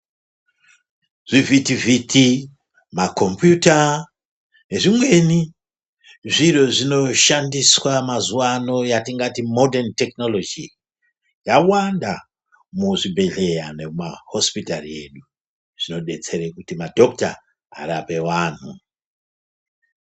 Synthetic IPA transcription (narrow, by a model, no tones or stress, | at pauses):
ʐ̥ivitivitʰi | mako̞mpjuta | ne̞ʐimwe̞ni | ʐiro̞ʐino̞ʃandiswamazuwano̞jatiŋɡatimo̞dentekno̞lo̞d͡ʒi | jawanda | muʐibʱe̞ɮe̞janemaho̞spitarḭe̞̰ɗu | ʐ̥ino̞ɗe̞t͡se̞ɾekutimadʱo̞k̚ta̰ː | ɾape̞waːn̤u